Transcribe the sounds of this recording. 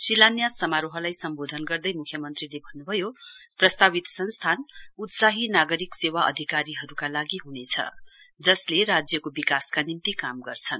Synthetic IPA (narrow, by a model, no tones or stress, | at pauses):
silanjasʌmaɾoɦʌlajsʌmbod̪ʱʌnɡʌrd̪ʌjmukʰjʌmʌnt̪rilebʱʌnːubʱʌjoprʌst̪abit̪sʌnst̪ʰanut̪saɦinaɡʌɾiksewaʔʌ̰d̪ʱikaɾiɦʌɾukalaɡiɦunet͡sʰʌ̰d͡zʌsleɾad͡zjʌkobikaskanimt̪ikamɡʌrt͡sʰʌn